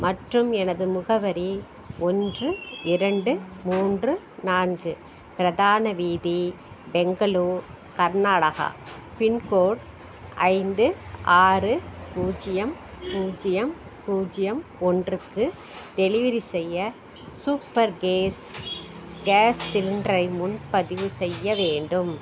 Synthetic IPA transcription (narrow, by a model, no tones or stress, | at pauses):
mɐʈrɯmɛnɐðɯmʊɣɐʋɐɾi | ɔndrɯɪɾɐɳɖɯmuːndrɯ | naːnɡɯ | pɪɾɐðaːnɐʋiːði | bɛŋɡɐɭuːɾ | kɐɾnaːɭɐɣɐ̰pɪnkoːɽ | ʔɐɪnd̪ɯʔaːɾɯpuːd͡ʒɪjɐm | puːd͡ʒɪjɐm | puːd͡ʒɪjɐmɔndrɯkːɯ | d̪ɛlɪʋɐɾisɛjːɐ | suːpːɐɾɡeːs | ɡeːsːɪlɪndɾɐɪmʊnpɐðɪʋɯsɛjːɐʋeːɳɖɯm